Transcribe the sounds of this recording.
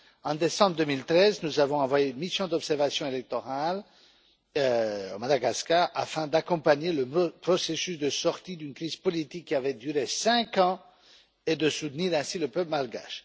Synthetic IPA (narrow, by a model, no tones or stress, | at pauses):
ɑ̃d̪esɑ̃bʁəd̪ømilt̪χɛznuzavɔ̃ɑ̃vwajeynmisjɔ̃d̪ɔpsɛʁvasjɔ̃elɛk̚t̪ɔʁal | omad̪aɡaskaʔa̰fɛ̃d̪akɔ̃paɲeləpχɔsesysd̪əsɔʁt̪id̪ynkχiz̥pɔlit̪ikʲːiavɛd̪yʁesɛ̃kɑ̃ | ed̪əsut̪niʁɛ̃siləpœplmalɡa̰ʃ